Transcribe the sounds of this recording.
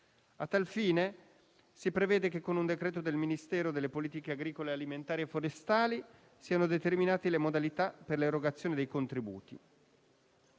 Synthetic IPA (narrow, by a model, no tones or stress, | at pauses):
at̪ːalfiːne | sipɾevɛːd̪ekekːonund̪ekɾɛːt̪od̪elminist̪ɛːɾod̪elːepoliːt̪ikeaɡɾiːkolealiment̪aːɾiefːoɾest̪aːli | siːanod̪et̪erminaːt̪elemod̪alit̪aperleɾoɡat̪sːjoːned̪ejkont̪ɾibṵːt̪ḭ